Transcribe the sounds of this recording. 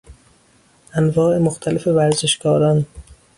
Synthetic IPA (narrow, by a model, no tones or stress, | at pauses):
ʔænvɒːʔe̞moxt̪ʰælefe̞væɾzeʃɡɒːɾɒn